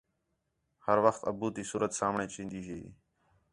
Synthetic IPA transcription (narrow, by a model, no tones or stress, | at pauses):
həɾʋəxt̪ə̰buːt̪iːsuːɾət̪saːmɳẽːt͡ʃĩːnd̪iːɦeː